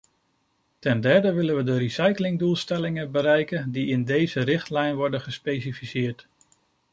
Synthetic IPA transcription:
tɛndɛɹdəʋɪlənʋədəɾisajklɪŋdulˠstɛlɪŋənbəɾɛjkəndiɪndejzəɾɪχtlɛjnʋɔɹdənχəspejsifisɪːɹt

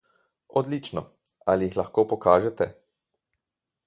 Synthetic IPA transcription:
ɔd̪liːt͡ʃnɔ | alijixlaxkoːpɔkaːʒɛt̪ɛ

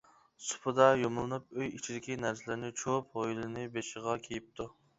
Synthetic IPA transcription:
sʊ̥pʰɨd̪ɑjomʊlˠɨnup̚øjit͡ʃʰid̪ɪkʲinæɾsɪlɪɾnɪt͡ʃʰop̚hojlˠɨnɪbeʃɪʁɑkʲʰejip̚t̪ʰu

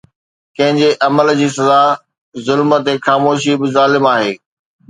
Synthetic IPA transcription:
kɐ̃ɦɪ̃ɲd͡ʑeʔɐməld͡ʑiːs̬ɐza | zʊlmət̪exaːmoːʃ̬ibɪzaːlɪmaːɦeː

